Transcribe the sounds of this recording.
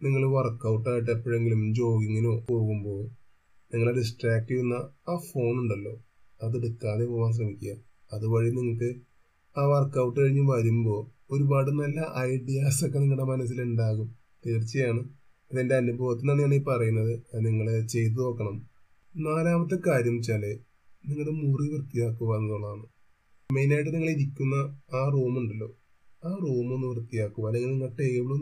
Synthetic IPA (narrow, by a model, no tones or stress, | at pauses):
niŋːɐɭʋɐrkːɐwʈːaːjiʈ̬ːepːoːɻe̞ŋɡilumd͡ʑo̞ːɡiŋːinupo̞ːɣumbo̞ː | niŋːɐɭeɖis̬ʈraːk̚ʈːijunːɐaːfo̞ːnuɳɖɐlːo̞ː | ɐðeɽukːaːðepoʋaːns̬rɐmikʲːuɣaː | ɐðɨʋɐɻiniŋːɐkːɨ | aːʋɐrkːɐwʈːɨkɐɻiɲːɨʋɐɾumbo̞ː | oɾubaːɽɨnɐlːɐʔɐjɖijaːsokːeniŋːɐɭɽemɐnɐs̬ːiluɳɖaːɣum | t̪eːrt͡ɕːɐjaːɳɨ | ðende̞ɐnubʱɐʋɐt̪ːinaːɳaːɳipɐrɐjunːɐðɨniŋːɐɭet͡ɕe̞jt̪̬ɨðo̞ːkːɐɳɐm | naːlaːmɐt̪ːekaːɾjɐmt͡ɕale | niŋːɐɭemuriʋrt̪ːijaːkːuʋɐenːɐðoːɭːɐðaːɳɨ | me̞jnaːjʈ̬ːɨniŋːɐɭiɾikʲːunːɐaːruːmuɳɖɐlːo̞ː | aːruːmonːuʋɐrt̪ːijaːkːuʋɐːlːeŋːɡilniŋːɐɭʈːejʋiɭu